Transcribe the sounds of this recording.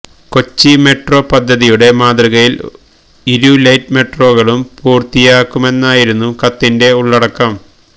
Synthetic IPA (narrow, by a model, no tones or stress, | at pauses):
ko̞t͡ɕːime̞ʈro̞ːpɐd̪ʱːɐðijuɽe̞maːd̪rɐɣɐjil | iɾulɐjtme̞ʈro̞ːɣɐɭumpuːrt̪ijaːkːume̞nːaːjiɾunːukɐt̪ːinde̞uɭːɐɽɐkːɐm